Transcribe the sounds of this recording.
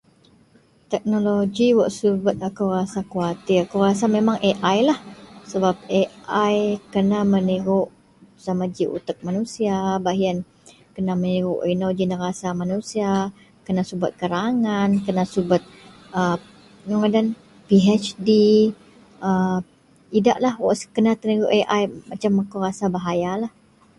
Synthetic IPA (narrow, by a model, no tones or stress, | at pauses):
t̪ɛk̚noloɡiwaʔsubat̪̚akurasakuat̪iakuwrasamemaŋʔeʔajlahsəbap̚eajkənaməniɣʊʔ | samad͡ʒiʔṵt̪ək̚manusiabaɦian | kənaməniɣʊʔinod͡ʒinəɾasamanusia | kənasubʊt̪̚kəɾaŋankənasubat̪̚ | ə | noŋədan | piɦɛt͡ʃdi | ə | ida̰ʔlahwɔ̰ʔskənat̪əniɣuʔeʔajmat͡ʃamakoɾasabaɦajalah